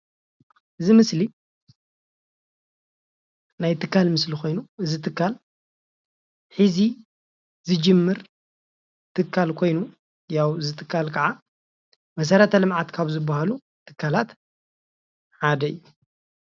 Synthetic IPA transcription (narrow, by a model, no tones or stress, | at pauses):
ʔɨzimɨsli | najt̪ʰɨkʰːalmɨslixo̞jnuɨzit̪ʰɨkːal | ħizi | zɨd͡ʒɨmːɨɾ | t̪ʰɨkʰːalkʰo̞jnu | jawɨzɨt̪ʰɨkʰːalkʰɐʕa | mɐs̬ɐɾɐt̪ʰɐlɨmʕat̪kʰaβzɨbːahalu | t̪ʰɨ̥kːalat̪ | ħad̪ɐɨjːu